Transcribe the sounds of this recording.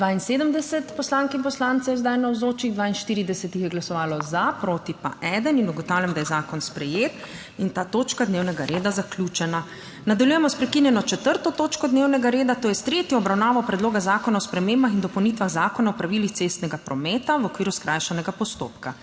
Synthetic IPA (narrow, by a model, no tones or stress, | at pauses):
d̪ʋaːinseːd̪əmd̪ɛsɛt̪pɔslaŋkɛinpɔslaːnt̪sɛjɛzd̪ajnawzoːt͡ʃiɣd̪ʋaːinʃt̪iːɾid̪ɛsɛt̪ixjɛɡlasɔʋaːlɔzapɾoːt̪ipa̰ʔɛːd̪əninuɡɔt̪awlʲjamd̪ajɛzaːkɔnspɾɛjet̪ | int̪aːt̪oːt͡ʃkad̪neːwnɛɡaɾeːd̪azakljuːt͡ʃɛna | nad̪aljujɛmɔspɾɛkinjɛnɔt͡ʃɛt̪əɾt̪ɔt̪oːt͡ʃkɔd̪neːwnɛɡaɾeːd̪at̪oːjɛst̪ɾet̪jɔɔbɾawnaːʋɔpɾɛd̪loːɡazaːkɔnaɔspɾɛmeːmbaxind̪ɔpɔwnit̪ʋaɣzaːkɔnaɔpɾaʋilixt̪sest̪nɛɡapɾɔmɛːt̪awɔkʋiːɾuskɾʔaːjʃanɛɡapɔst̪o̰ːpka